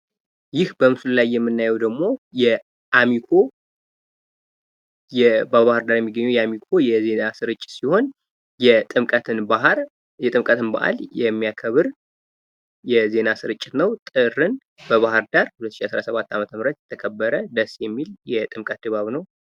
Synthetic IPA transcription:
jɪhbəmɨsullajːɛmːɨnːajɛwd̪əɡmo̞jɛ | ʔamikʰo̞ | jɛbəβahɨɾd̪aɾjɛmːiɡːəɲːɛwjɛamikʰo̞jɛze̞nasɨɾɨt͡ʃʼːɪ̥t̪siho̞n | jɛt̪ʼɨmkʼət̪ʰɨnbaɦɾ | jɛt̪ʼɨmkʼət̪ʰɨnba̰ʔa̰ljɛmːijakʰəβɨɾ | jɛze̞nasɨɾɨt͡ʃʼːɪt̪nəwt̪ʼɨrːɨn | bəβahɨɾd̪aɾhulət̪ːʃiasɾasəβat̪ːamət̪ʰəmɾət̪jɛt̪ʰːəkʰəbːəɾəd̪əsjɛmːiljɛt̪ʼɨmkʼət̪̚d̪ɨβaβnəw

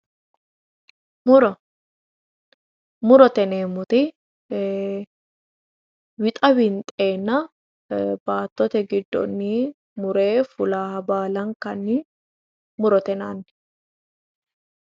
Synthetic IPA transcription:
mʊɾɔ | mʊɾɔt̪ɛneːmʊt̪ɪ | wɪt̪ʼɐwɪnt̪ʼe̞ːnːɐ | baːt̪ːɔt̪ɛɡɪd̪ːɔ̰nːiː | mʊɾe̞ːfʊlaːhɐbaːlɐŋkɐnːɪ | mʊɾɔt̪ɛnaːnː

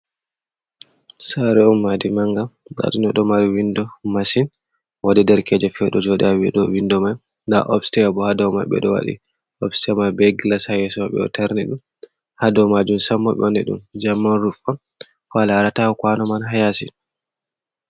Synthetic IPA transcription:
saɾɛumːadimaŋɡaɗa̰ɗinɔɗɔmaɾiwindɔmasin | wadɛdɛɾkɛd͡ʒɛfɛɗɔd͡ʒɔɗɛawɛ̰ɗɔwindɔmaj | nda̰ʔɔpsi̥tɛbɔhadɔwma̰ɓɛ̰ɗɔwa̰ɗḭ | ɔbsi̥tɛmabɛɡlashajɛsɔmaɓɛ̰ɔ̰taɾnɛɗum | hadɔmad͡ʒumsamːɔɓɛ̰ɔnɛɗṵmd͡ʒamːanɾufɔn | falaɾatawɔkwanɔmanɦajasi

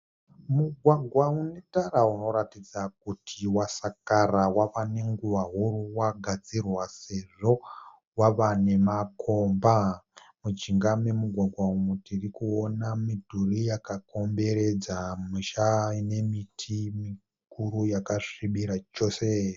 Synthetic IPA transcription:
muɡʱwaɡʱwaunetarauno̞ɾatid͡zak̚utʰiwasakarawaʋane̞ŋɡuʋaɦuruwaɡʱad͡zirwase̞ʐo̞ | waʋane̞makʰo̞mba | mud͡ʒiŋɡame̞muɡʱwaɡʱwaumutirikuonamidʱurijakako̞mbe̞ɾe̞d͡zamiʃaine̞mitʰimi | kurujakaʂiɓiɾat͡ʃo̞se

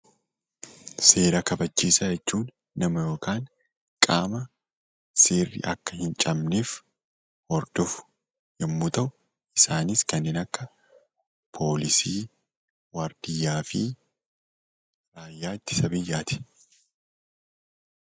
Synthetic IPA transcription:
se̞ːɾɐkɐbɐt͡ʃːiːsɐd͡ʒɛt͡ʃːuːnː | ɐmɐjo̞ːkaːn | kʼaːmɐ | seːrːɪ̰ʔɐkːɐhɪnt͡ʃʼɐmneːf | hɔɾd̪̥ɔfʊ̥ | ʔɛmːʊt̪ɐʔʊ | ɪsaːnɪskɐnːɪnɐkːɐ | pʰo̞ːlɪsiː | wɐɾd̪̥ɪjːaːfɪ | ɾaːjːaːt̪ːɪ̥sɐbɪjːaːt̪ɪ̥

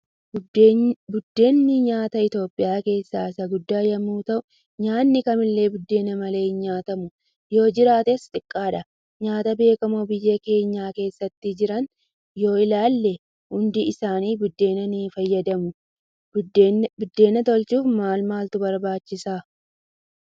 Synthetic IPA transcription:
bʊd̪ːe̞ːnːɪɲaːt̪ɐɪt̪o̞ːpʼːɪjaːke̞ːsːaːsɐɡʊd̪ːaːjɐmuːt̪ɐʔʊ | ɲaːnːɪkɐmɪlːe̞ːbʊd̪ːe̞ːnɐmɐle̞ːɲaːt̪ɐmʊ | jo̞ːd͡ʒɪɾaːt̪est̪ʼɪkʼːaːᶑɐ | ɲaːt̪ɐbe̞ːkɐmoːbɪjːɐke̞ːɲːaːke̞ːsːɐt̪ːɪd͡ʒɪɾɐn | jo̞ːɪlaːlːɛ | hʊnd̪ɪɪsaːniːbʊd̪ːe̞ːnɐnifɐjːɐd̪ɐmʊ | bʊd̪ːe̞ːnɐt̪ɔlt͡ʃuːfmaːlmaːlt̪ʊbɐɾbaːt͡ʃːɪsaː

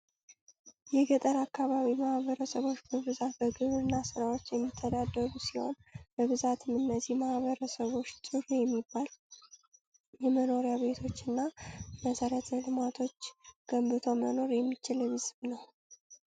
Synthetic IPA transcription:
jɛɡət̪ʼəɾakːaβaβimahβəɾəsəβo̞t͡ʃːbəβɨzat̪̚bəɡɨβɨnːasɨɾawo̞t͡ʃːjɛmːit̪ʰːəd̪ad̪ːəɡusiho̞̰nb̥əβɨzat̪ʰɨmɨnːəzihmahβəɾəsəβo̞t͡ʃːt̪ʼɨɾjɛmːibːal | jɛməno̞ɾjaβe̞t̪ʰo̞t͡ʃːɨnːaməsəɾət̪ʰlɨmat̪ʰo̞t͡ʃːɡ̥əmbɨt̪ʰo̞məno̞ɾjɛmːit͡ʃɪlɨβɨzɨβnəw

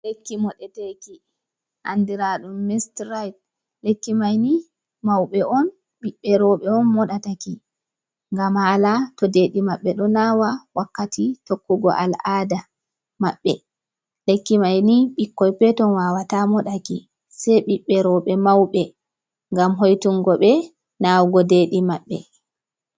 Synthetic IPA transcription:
lekːimɔɗɛteki | ʔa̰ndiɾaɗumːistɾajt̚ | lekːimajni | mawɓɛʔɔn | ɓiɓːɛɾɔɓɛɔnmɔɗataki | ŋɡamhalatɔdeɗimaɓːɛɗɔnawawakːatʰitokːuɡɔ̰ʔa̰laːda | maɓːɛ | lekːimajniɓikːɔjpɛtɔnwawatamɔɗaki | sɛɓiɓːɛɾɔɓɛmawɓɛ | ŋɡamɦojtuŋɡɔɓɛ | nawɡɔdeɗimaɓːɛ̰

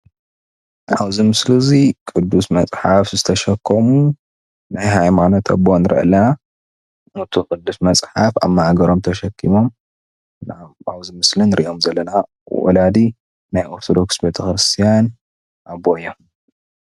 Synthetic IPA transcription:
ʔaβzimɨslɨzikʼɨd̪ːusmɐt͡sʼħafzɨt̪ʰɐʃɐkʰːomu | najɦajmanot̪ʰɐ̰bonɨɾɐ̰ʔɐ̰lːɐna | ɨt̪ʰukʼɨd̪ːusmɐt͡sʼħafa̰mːahaɡɐɾomt̪ʰɐʃɐkʰːimo̞m | naaβzimɨslɨnɨɾʔḭʔo̞mzɐlːɐna | wɔ̰lad̪i | najʔo̞ɾt̪ʰod̪o̞ksbe̞t̪ʰɐxɾɨst̪ʰijan | ʔabojom

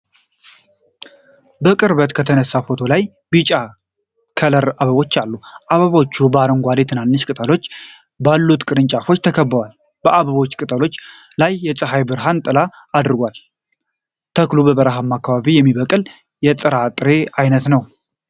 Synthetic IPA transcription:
bəkʼɨɾβət̪kʰət̪ʰənəsːafo̞t̪ʰo̞laj | bɨt͡ʃʼa | kʰələɾaβəβo̞t͡ʃːalːuʔaβəβo̞t͡ʃːubəaɾəŋɡʷalet̪ʰɨnanːɨʃkʼɨt̪ʼəlo̞t͡ʃː | balːut̪kʼɨɾɨnt͡ʃʼafo̞t͡ʃːt̪ʰəkʰəbːəwal | b̥əʔaβəβo̞t͡ʃːkʼɨt̪ʼəlo̞t͡ʃː | lajːɛsʼɨɦajbɨɾɦant̪ʼɨla | ad̪ɨɾɡʷal | t̪ʰəklubəβəɾəɦamːakːaβaβijɛmːiβəkʼɨl | jɛt̪ʼɨɾat̪ʼɨɾe̞ajnət̪nəw

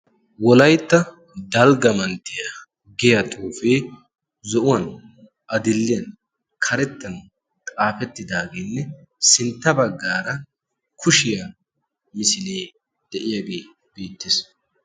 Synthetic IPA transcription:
wɔlɐjt̪ːɐ | d̪ɐlɡɐmɐnt̪ːɪjɐ | ɡɛjɐt̪ʼuːfeː | zɔʔʊwɐn | ɐd̪ɪlːɪjɐn | kʰɐɾɛt̪ːɐn | t̪ʼaːfɛt̪ːɪd̪aːɡenːɛ | sɪnt̪ːɐbɐɡːaːɾɐ | kʰʊʃɪja | mɪsɪleː | d̪̥ɛʔɪjaɡe̞ː | b̥eːt̪ːɪs

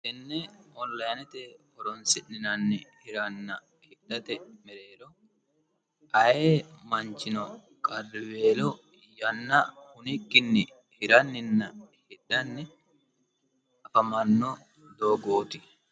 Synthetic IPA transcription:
ʔɛnːɛɔnlɐjnɛt̪ɛ | ɔɾɔnsɪnːɪnɐnːɪhɪɾɐnːɐ | hɪᶑɐt̪ɛmɛɾeːɾɔ | ɐjeːmɐnt͡ʃɪnɔ | kʼɐrweːlɔ | jɐnːɐhʊnɪkːɪnːɪ | hɪɾɐnːɪnːɐhɪᶑɐnːɪ | ɐfɐmɐnːo | d̪oːɡoːt̪ɪ

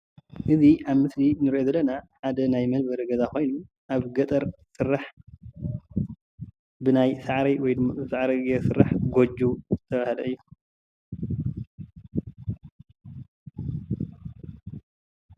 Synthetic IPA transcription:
ʔɨziʔaβmɨslinɨɾʔozɐlːɐnaħad̪ɐnajmɐnbɐɾɡɐzako̞jnu | ʔaβɡɐt̪ʼɐɾsɨrːaħ | bɨnajsaʕɾɐjwɔjd̪ɨmːabɨsaʕɾɐɡesɨrːaħɡod͡ʒuzɨt̪ʰɐβahlɐɨjːu

